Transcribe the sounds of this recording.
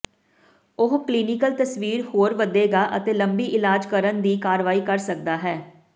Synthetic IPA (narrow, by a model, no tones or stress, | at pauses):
ʊɦkliːnɪkəlt̪əsʋiːɾhoːɾʋəd̪eːɡaːʔət̪eːləmbiːʔɪlaːd͡ʒkəɾənd̪iːkaːɾʋaːiːkəɾsək̚d̪aːɦɛː